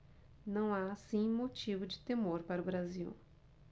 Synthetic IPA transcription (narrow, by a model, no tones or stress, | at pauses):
nɐ̃w̃aːsĩmot͡ʃivʊd͡ʒɪt̪emoɾpaɾʊbɾaziw